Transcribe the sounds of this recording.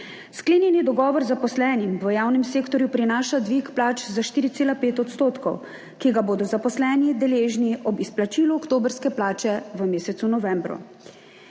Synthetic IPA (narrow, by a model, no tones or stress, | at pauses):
skleːnjɛnid̪ɔɡɔːʋɔɾzapɔslɛːnimʋəjaːwnɛmseːkt̪ɔɾjupɾinaːʃad̪ʋikplaːt͡ʃzaʃt̪iːɾit̪seːlapeːt̪ɔt̪st̪oːt̪kɔw | kiɡaboːd̪ɔzapɔslɛːnid̪ɛleːʒniʔɔbisplat͡ʃiluɔkt̪oːbəɾskɛplaːt͡ʃɛʋəmeːsɛt̪sunɔʋɛːmbɾṵ